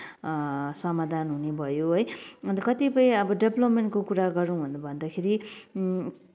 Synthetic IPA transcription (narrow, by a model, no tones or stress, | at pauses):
sʌmad̪ʱanɦunebʱʌjoɦʌjʌnt̪ʌkʌt̪ipʌj̃ʌbʌɖeblʌpmeɳʈkokuɾaɡʌɾũbʱunbʱʌnd̪akʰeɾi